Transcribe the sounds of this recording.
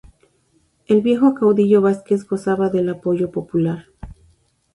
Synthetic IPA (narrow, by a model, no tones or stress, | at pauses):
e̞lβje̞xokawðiʝo̞βaskesɣo̞saβaðelapo̞ʝo̞po̞pulaɾ